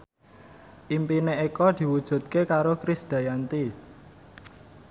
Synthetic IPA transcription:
ʔimpineikɔd̪̥i̤wud̥ʒ̥ṳt̪̚kekaɾokɾisd̪̥a̤jant̪i

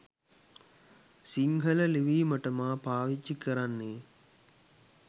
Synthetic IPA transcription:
siŋɡələliʋiːməʈəmaːpaːʋit͡ʃːikəɾanːeː

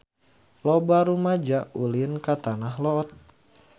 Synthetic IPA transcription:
lɔbaɾumad͡ʒaulinkat̪anaɦlɔːt̪̚

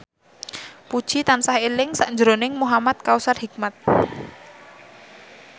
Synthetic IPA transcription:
pud̥ʒ̥it̪ansahelɪŋsaʔɲd͡ʒəɾonɪŋmuɦamat̪̚kausarhik̚mat̪̚

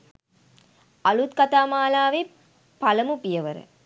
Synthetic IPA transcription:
ɐlut̪̚kɐt̪aːmaːlaːʋe | pɐlɐmupijɐʋəɾɨ̰

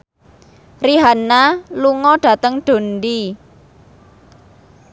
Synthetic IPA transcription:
riɦanaluŋɔɖ̥ä̤t̪əŋɖ̥o̤ndi

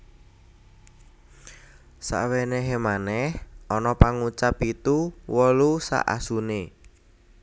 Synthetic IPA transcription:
sa̰ʔweneɦemanɛhʔɔnɔpaŋut͡ʃapit̪uwɔlusa̰ʔa̰sune

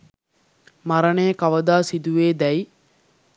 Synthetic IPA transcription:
maɾɐneːkɐʋəd̪aːsid̪uʋeːd̪ɛj

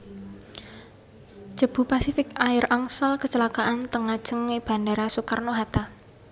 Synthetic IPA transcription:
ʒ̥ə̤b̥ṳpasifɪkaɪraŋsalkət͡ʃəlakaʔant̪əŋad̥ʒ̥ə̤ŋːeb̥a̤nɖeɾasukarnoɦat̪a

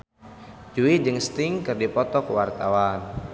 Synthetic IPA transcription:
d͡ʒuid͡ʒɨŋst̪ɪŋkɨrdipɔt̪ɔkwart̪awan

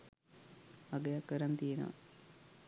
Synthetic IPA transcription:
aɡejakːəɾant̪ijenə̰ʋa̰

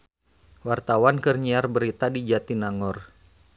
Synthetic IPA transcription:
wart̪awankərɲiarbəɾit̪adid͡ʒat̪inaŋɔr

